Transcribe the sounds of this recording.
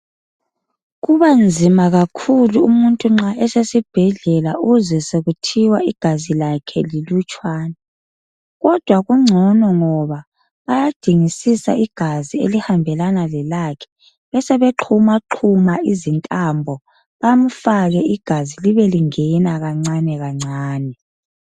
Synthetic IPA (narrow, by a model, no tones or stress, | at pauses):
ɣuβand͡zʱimaɣakʰuluumuntʼuŋ͡ǁaʔɛsesib̥ʱɛɮɛlaʔuzɛseɣutʰiwaiɡ̥ʱazilakʰɛlilut͡ʃʼwaːna | ɣɔd̥ʱwaɣuŋ͡ǀʱɔnɔŋɔβa | βajad̥ʱiŋisisa̰ʔiɡ̥ʱaziḛlihambʱɛlanalɛlakʰɛ̥ | βɛsɛβeǁʰumaǁʰumaizintʼambʱɔ | βam̩faɣɛiɡ̥ʱaziliβɛliŋɛnaɣaŋ͡ǀanɛɣaŋ͡ǀaːnɛ